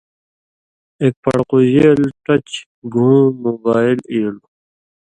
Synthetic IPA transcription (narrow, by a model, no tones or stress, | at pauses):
eːk̚pɐɽquʑeːlʈʌt͡ɕ | ɡʱũːmobaːiliːlu